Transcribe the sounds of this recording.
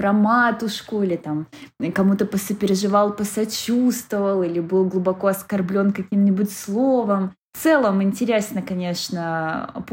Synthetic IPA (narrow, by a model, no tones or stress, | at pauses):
pɾɐmat̪ʊʂkʊilʲɪt̪amkɐmut̪əpəsəpʲɪɾʲɪʐɨvɑlˠpəsɐt͡ɕust̪vəvəlˠilʲɪbɨlˠɡlˠʊbɐko̞ɐskɐrblʲo̞nkɐkʲimnʲɪbʊtʲslˠovəmfft̪sɛlˠəmɪnʲtʲɪɾʲesnəkɐnʲe̞ʂnə̰p